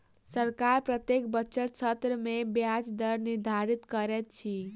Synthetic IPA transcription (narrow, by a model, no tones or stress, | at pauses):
səɾkaɾpɾət̪jek̚bət͡ʃəɾt͡ʃʰət̪ɾəmebjad͡ʒd̪əɾniɾd̪ʱaɾit̪kəɾɛt̪̚t͡ʃʰi